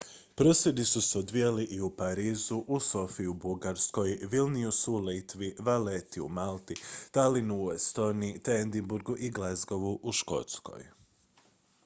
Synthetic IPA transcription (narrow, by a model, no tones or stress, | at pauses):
pɾo̞sjed̪isuseod̪ʋijaliʔiupaɾiːzuʔuso̞fiubuɡaɾsko̞jʋilniusulit̪ʋiʋalet̪iṵmalˠt̪it̪alinuuest̪o̞ːniit̪end̪imbuɾɡuʔiɡlazɡo̞ʋuʔuʃko̞̰t̪sko̞̰j